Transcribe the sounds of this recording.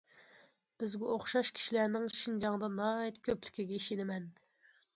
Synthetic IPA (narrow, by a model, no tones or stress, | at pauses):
b̥ɪzɡʲɛoχʃɑʃkʲʰi̥ʃilænɪŋʃind͡ʒɑŋd̪ɑnɑːɛt̪kʲʰøply̥kʲiɡʲɛiʃinɪmɛn